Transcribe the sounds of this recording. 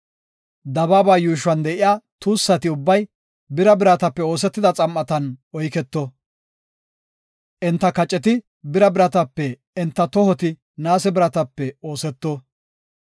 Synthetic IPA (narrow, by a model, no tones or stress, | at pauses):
d̪ɐbaːbaːjuːʃwɐnd̪ɛʔɪjaːt̪uːsːɐt̪ɪʊbːɐj | bɪɾɐbɪɾɐt̪ɐpːɛo̞ːs̬ɛt̪ːɪd̪ɐt͡sʼɐmːɐt̪ɐnɔjkɛt̪ːɔ | ʔɛnt̪ːɐkɐt͡ʃʼːɛt̪̬ɪ | bɪɾɐbɪɾɐt̪ɐpːɛ | ɛnt̪ːɐt̪ɔhɔt̪ɪ | naːsɛbɪɾɐt̪ɐpːɛo̞ːsɛt̪ːɔ